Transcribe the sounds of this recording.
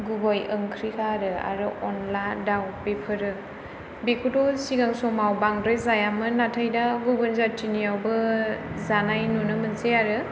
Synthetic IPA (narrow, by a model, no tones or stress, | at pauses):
ɡubajəŋkʰɾikʰaɾɯa̰ɾɯʔɔnlajndawpepʰɯɾɯ | bekʰutɔsiɡaŋsɔmawbaŋdɾɯzajamɯnatʰajdaɡubɯnzatʰinijawbɯzanajnunɯmɯnsejaɾɯ